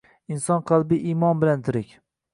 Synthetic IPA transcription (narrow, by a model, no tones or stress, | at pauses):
ɪnsɒnqʰɑlˠbɪʔimɒnbɪlant̪ʰɪɾɪkʲ